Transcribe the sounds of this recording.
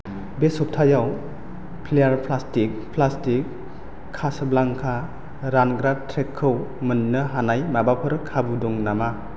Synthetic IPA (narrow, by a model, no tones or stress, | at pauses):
besɔp̚tʰajaw | pʰilejaɾpʰlastik̚pʰlastikʰː | asɯblaŋkʰa | ɾanɡɾatʰɾekʰːɯwmɯnːɯɦanajmabapʰɯɾɯkʰabuduŋnama